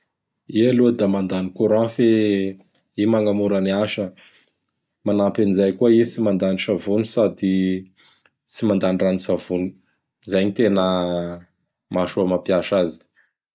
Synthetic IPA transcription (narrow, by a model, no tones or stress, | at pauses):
ialud̪amand̪anikuɾãfe | imaŋɡamuɾəniaʃə | manapanizajkuaisimand̪anisavunisad̪i | t͡simand̪aniranisavuni̥ | zajɲit̪enə | maʃuamapiaʃazi̥